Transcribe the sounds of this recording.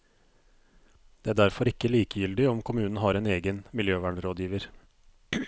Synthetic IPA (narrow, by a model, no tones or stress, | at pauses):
d̪̥ɛːæɖæɾfɔɾɪkːəɭiːkəjʏld̪ɪɔmkʰʊmʉːnn̩ɦɑːɾeːneːɡənmɪljøːʋæːɳɾoːd̪jiːʋəɾ